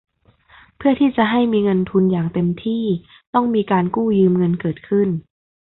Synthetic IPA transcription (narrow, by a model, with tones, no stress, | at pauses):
pʰɯ˥˩ɐt̪ʰiː˥˩t͡ɕa˨˩ɦa˥˩jmiː˧ŋɤ˧nt̪ʰu˧njaː˨˩ŋt̪e˧mt̪ʰiː˥˩ | t̪ɔ˥˩ŋmiː˧kaː˧nkuː˥˩jɯː˧mŋɤ˧nkɤː˨˩t̪̚kʰɯ˥˩n